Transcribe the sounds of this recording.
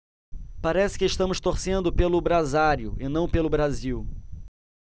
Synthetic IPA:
paɾɛsɪ̥kɪːʃt̪ɐ̃mʊst̪oɾsẽnd̪ʊpelʊbɾazaɾjʊʔɪnɐ̃w̃pelʊbɾaziw

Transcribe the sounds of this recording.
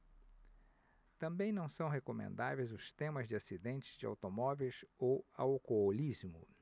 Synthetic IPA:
t̪ɐ̃mbẽj̃nɐ̃w̃sɐ̃w̃ɦekomḛ̃nd̪a̰vejzʊst̪ẽmɐzd͡ʒɪasid̪ẽnt͡ʃɪ̥zd͡ʒɪa̰wt̪omɔvejsowa̰wkoolizmʊ̰

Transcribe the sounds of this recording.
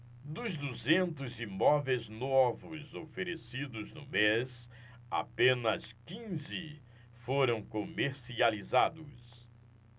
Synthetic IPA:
d̪ʊzd̪uzẽnt̪ʊzimɔvejznovʊzofeɾesid̪ʊznʊ̰mes | a̰pẽnɐskĩzɪ | foɾɐ̃w̃komeɾsializad̪ʊs

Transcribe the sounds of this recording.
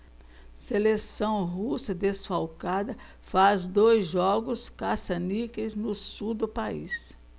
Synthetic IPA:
selesɐ̃w̃ɦusɐd̪esfawkad̪ɐ | fazd̪ojzʒɔɡʊskasɐnikeznʊsud̪ʊpaḭs

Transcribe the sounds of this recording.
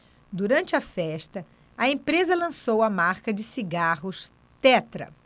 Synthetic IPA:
d̪uɾɐ̃nt͡ʃɪɐfɛʃt̪ɐ | ɐẽmpɾezɐlɐ̃sowɐmaɾkɐd͡ʒɪsiɡaɦʊʃ | t̪ɛt̪ɾɐ̰

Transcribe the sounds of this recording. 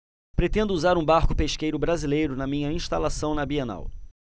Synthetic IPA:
pɾet̪ẽnd̪ʊuzaɾũbaɾkʊ̥peʃkejɾʊbɾazilejɾʊnɐmĩɲɐĩʃt̪alasɐ̃w̃nɐbiena̰w

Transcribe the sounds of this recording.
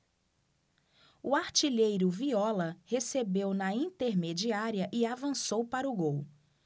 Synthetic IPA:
uaɾt͡ʃiʎejɾʊviɔlɐhesebewnɐĩnt̪eɾmed͡ʒiaɾiɐʔɪavɐ̃sowpaɾʊɡow

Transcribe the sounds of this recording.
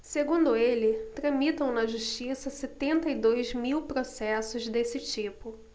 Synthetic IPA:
seɡũnd̪ʊelɪt̪ɾɐ̃mit̪ɐ̃w̃nɐʒuʃt͡ʃisɐset̪ẽnt̪ɐid̪ojzmiwpɾosɛsʊzd̪esɪt͡ʃipʊ

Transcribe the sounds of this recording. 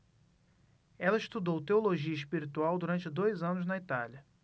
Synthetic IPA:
ɛlɐɪʃt̪ud̪owt̪eoloʒiɐɪʃpiɾit̪uawd̪uɾɐ̃nt͡ʃɪd̪ojzɐ̃nʊznɐit̪aljɐ

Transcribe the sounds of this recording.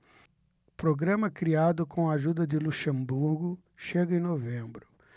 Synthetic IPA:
pɾoɡɾɐ̃mɐkɾiad̪ʊkʰõw̃aʒud̪ɐd̪ɪluʃẽmbuɾɡʊ | ʃeɡɐẽj̃novẽbɾʊ

